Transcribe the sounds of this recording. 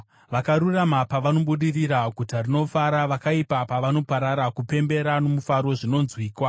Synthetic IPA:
ʋakaɾuramapaʋano̞ɓuɗiriɾaɡʱutarino̞faɾaʋakaipapaʋano̞paɾaɾakupe̞mbe̞ɾano̞mufaɾo̞ʐino̞nzwiːkwa

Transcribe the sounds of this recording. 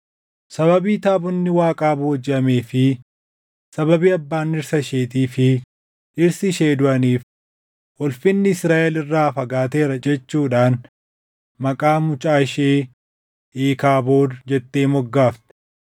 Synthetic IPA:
sɐβɐbiːt̪aːbʊnːɪwaːkʼaːbʊwɐd͡ʒɪʔɐme̞ːfɪ | sɐbɐbiːɐbːaːnːɪɾsɐʃeːt̪̬iːfɪ | ʔɪɾsɪʃeːd̪ʊʔɐniːf | ʔɔlfɪnːɪɪsɾaːʔɛlɪrːaːfɐɡaːt̪e̞ːɾɐd͡ʒɛt͡ʃːuːᶑaːn | mɐkʼaːmʊt͡ʃʼaːɪʃeː | ʔeːkaːbo̞ːd̪d͡ʒɛt̪ːe̞ːmɔɡːaːft̪ɛ̥

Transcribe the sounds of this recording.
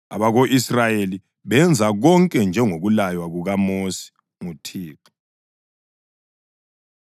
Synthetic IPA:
a̰βaɣoʔisrajeli | βɛnd͡zʱaɣɔŋkʼɛnd͡ʒʱɛŋoɣulajwaɣuɣamosi̥ | ŋutʰiːǁɔ̥

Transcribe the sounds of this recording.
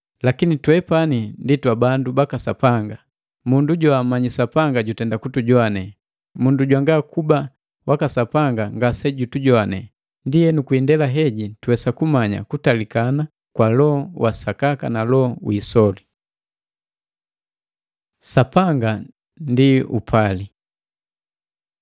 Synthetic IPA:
lakinitwɛpaninditwabandubakasapaŋɡa | munduɟɔamaɲisapaŋɡaɟutɛndakutuɟɔanɛ | munduɟwaŋɡakuba | wʔakasapaŋɡaŋɡasɛɟutuɟɔanɛ | ndijɛnukuindɛlaɦɛɟituwɛsakumaɲa̰kutalikana | kwalɔɔwʔasakakanalɔwisɔli | sapaŋɡa | ndiṵpʰali

